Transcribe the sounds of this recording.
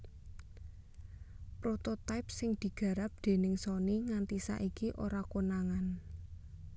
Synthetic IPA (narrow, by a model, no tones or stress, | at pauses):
pɾot̪ot̪ajp̚sɪŋd̪̥i̤ɡ̥ä̤ɾap̚d̪̥e̤nɪŋsɔniŋant̪isa̰ʔikiʔoɾakonaŋan